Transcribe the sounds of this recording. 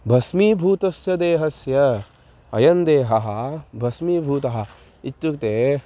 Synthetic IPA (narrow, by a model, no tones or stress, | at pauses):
bʱɐsmiːbʱuːt̪ɐsjɐd̪eːɦɐsjɐ | ɐjɐnd̪eːɦɐɦɐ̆bʱɐsmiːbʱuːt̪ɐɦɐ̆ | it̪jukt̪eː